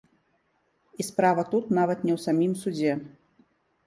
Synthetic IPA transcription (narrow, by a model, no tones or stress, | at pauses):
ispɾavɐt̪ut̪navɐt̪nʲɛwsamʲimsud͡zʲɛ